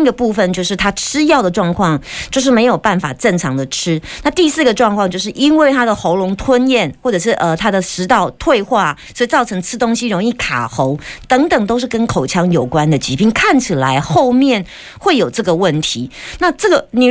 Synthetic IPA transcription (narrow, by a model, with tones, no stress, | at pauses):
ɡə˨pu˥˩fə˨nt͡ɕjo˥˧ʊʂɻ̩˥˩t̪ʰa˥ʈ͡ʂʰɻ̩˥jɑ˥˩ʊd̪ə˩ʈ͡ʂwɑ˥˧ŋkʰwɑ˥˧ŋt͡ɕjo˥˧ʊʂ̬ɻ̩˥˩me˧˥ɪjo˨˩ʊpa˥˩nfa̰˨˩ʈ͡ʂə˥˩ŋʈ͡ʂʰɑ˧˥ŋd̪ə˨ʈ͡ʂʰɻ̩˥na˥˧t̪i˥˧sɹ̩˥˩ɡə˩ʈ͡ʂwɑ˥˧ŋkʰwɑ˥˧ŋt͡ɕjo˥˧ʊʂɻ̩˥˩ʔi˥nwe˥˩ɪt̪ʰa˥d̪ə˨xo˧˥ʊlʊ˧˥ŋt̪ʰwə˥njɛ˥˩nxwɔ˥˩ʈ͡ʂɤ˨˩ʂ̬ɻ̩˥˩ʔə˨t̪ʰa˥d̪ə˨ʂɻ̩˧˥t̪ɑ˥˩ʊt̪ʰwe˥˧ɪxwa˥˩swɔ˧˥i˨˩t͡sɑ˥˩ʊʈ͡ʂʰɤ˧˥ŋʈ͡ʂʰɻ̩˥t̪ʊ˥ŋɕi˥ɻʊ˧˥ŋi˥˩kʰa̰˨˩xo˧˥ʊt̪ɤ˧˥ŋt̪ə˨˩ŋt̪o˥ʊʂ̬̩˥˩kə˥nkʰo˨˩ʊt͡ɕʰjɑ˧˥ŋjo˨˩ʊkwa˦˥nd̪ə˨t͡ɕi˧˥pi˥˩nkʰa˥˩nt͡ɕʰi˨˩la˧˦˥ɪxo˥˧ʊmjɛ˥˩n | xwe˥˩ɪjo˨˩ʊʈ͡ʂɤ˥˩ɡə˩wə˥˩nt̪ʰi˧˥˦na˥˧ʈ͡ʂɤ˥˩ɡə˩ni˨˩